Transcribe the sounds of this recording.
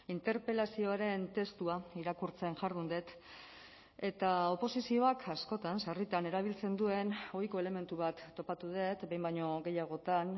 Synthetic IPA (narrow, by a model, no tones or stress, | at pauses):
int̪e̞ɾpe̞lasio̞aɾe̞nt̪e̞st̪uaiɾakuɾt͡se̞nʝaɾðund̪e̞t̪ | e̞t̪ao̞po̞sisio̞akʰasko̞t̪ansarit̪ane̞ɾaβ̞ilt͡se̞nd̪ue̞no̞jko̞e̞le̞me̞nt̪uβ̞at̪ːo̞pat̪uð̞e̞t̪be̞jmbajɲo̞ɣe̞jaɣ̞o̞t̪an